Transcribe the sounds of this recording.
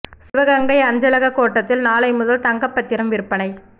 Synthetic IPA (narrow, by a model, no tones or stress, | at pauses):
sɪʋɐɣɐŋɡɐɪɐɲd͡ʒɐlɐɣɐkoːʈːɐt̪ːɪlnaːlɐɪmʊðɐlt̪ɐŋɡɐpːɐt̪ːɪɾɐmʋɪɾɯpːɐnɐɪ